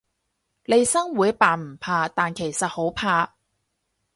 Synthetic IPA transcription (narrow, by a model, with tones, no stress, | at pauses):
le˨˧jsɐ˥ŋwuː˨˥jpaː˨˥m̩˨˩pʰaː˧t̪aː˨nkʰe˨˩jsɐ˨t̚ho˨˥wpʰaː˧